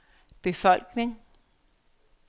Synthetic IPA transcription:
b̥e̝fɒ̽l̰ɡ̥ne̝ŋ

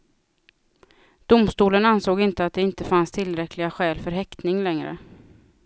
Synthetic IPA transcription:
d̪̥ʊmst̪uːlənansoːɡɪnt̪əat̪̚d̪ɛɪnt̪əfanst̪ʰɪlːɾɛklɪɡaɧɛːlfœɾɦɛkt̪nɪŋlɛŋɾə̰

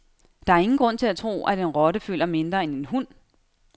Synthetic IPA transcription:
d̥ɑ̈æɐe̝ŋn̩ɡ̥ʁɔ̽n̰t͡sʰe̝læt͡sʰʁo̝̰ːʔæd̥enʁɒ̽ɾəføl̰ɐme̝nd̥ʁɐene̝nɦun̰

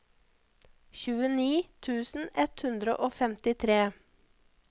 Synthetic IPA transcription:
çʉːəniːt̪ʰʉːsn̩ɛt̪hʉnd̪ɾə̰ʔoːfɛmt̪ɪt̪ʰɾeː

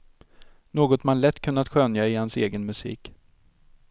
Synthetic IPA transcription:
noːɡɔt̪manlɛt̪ːkʰɵnːat̪ɧœnjaɪhanseːɡənmɵsḭːk

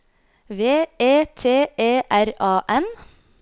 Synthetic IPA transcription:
ʋeːeːt̪ʰeːeːʔæɾɑːʔɛn

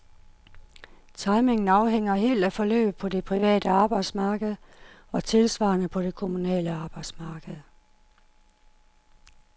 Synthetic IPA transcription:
t͡sʰɑ̈ɪme̝ŋn̩ɑ̈ʊɦeŋ̰ɐɦe̝̰ːld̥æfɒ̽lø̰ːb̥̩ˠpʰɒ̽de̝pʰʁiʋɛ̰ːd̥əɑ̈ːb̥ɑ̈ɪd̥smɑ̈ːɡ̥əð̩ˠ | ɒ̽t͡sʰe̝lsʋɑ̰̈ːnəpʰɒ̽d̥e̝kʰo̝munɛ̰ːləɑ̈ːb̥ɑ̈ɪd̥smɑ̈ːɡ̥əð̞̩ˠ

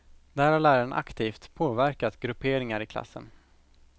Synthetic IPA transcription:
d̪æːɾhaɾɭæːɾaɳʔa̰kt̪ʰiːft̪pʰoːvæɾkat̪ɡɾɵpʰeːɾɪŋaɾɪkʰla̰sːə̰n

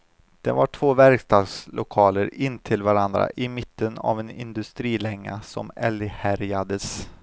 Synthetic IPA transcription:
d̪̥ɛnvaʈʰv̥oːvæɾkst̪ɑːɡslʔʊkʰɑːləɾɪnːt̪ʰɪlvaɾand̪ɾa̰ʔɪmɪt̪ʰːəna̰vɛnɪnd̪ɵst̪ɾiːlɛŋːasɔ̰mɛlhæɾjad̪əs

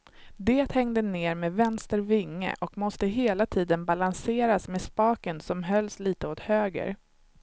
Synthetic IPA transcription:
d̪eːt̪hɛŋd̪əneːɾmeːvɛnst̪əɾvɪŋːə̰ʔɔkmɔst̪əɦeːlat̪ʰiːd̪ənbalanseːɾasmɛspɑːkənsɔmɦœlːsliːt̪əot̪høːɡə̰ɾ

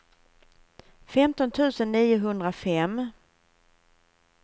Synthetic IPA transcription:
fɛmt̪ɔnt̪ʰʉ̟ːsənːiːʊɦɵnd̪ɾafɛmː

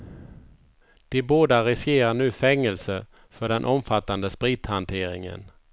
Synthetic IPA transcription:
d̪̥ɪboːd̪aɾɪskeːɾaɳʉ̟ːfɛŋːəlsə | fœɖɛnʔɔmfat̪ːand̪əspɾiːt̪hant̪ʰeːɾɪŋə̰n

